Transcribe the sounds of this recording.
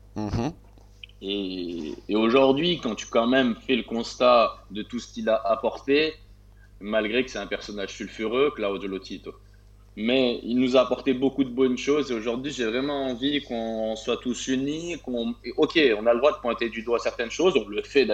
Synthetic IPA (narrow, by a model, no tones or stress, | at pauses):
eː | oʒuʁd̪ɥikɑ̃t̪y̥kɑ̃mɛmfɛləkɔ̃st̪ad̪ət̪usə̥kʲilaʔapɔʁt̪e | malɡʁekə̥sɛɛ̃pɛʁsɔnaʒsylfyʁøklaod̪olot̪ʰit̪ | mɛḭlnuzaːpɔʁt̪ebokud̪əbɔnʃozeoʒuʁd̪ɥiʒevʁɛmɑ̃ɑ̃vikɔ̃swat̪usynikɔ̃ʔokʲeɔ̃naləd̪ʁwad̪əpwɛ̃t̪ed̪yd̪wasɛʁt̪ɛnʃozeɔ̃ləfɛd̪